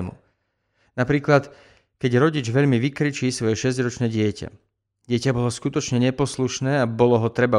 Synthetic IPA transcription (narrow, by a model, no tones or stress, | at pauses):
mṵ | napɾiːklat̪ | kɛɟɾɔɟid͡ʒʋɛʎmiʋikɾit͡ʃiːsʋɔjɛʃɛzɟɾɔt͡ʃnɛːɟɪɛca̰ | ɟɪɛcabɔlɔskut̪ɔt͡ʃɲɛɲɛpɔsluʃnɛːabɔlɔɦɔt̪ɾɛba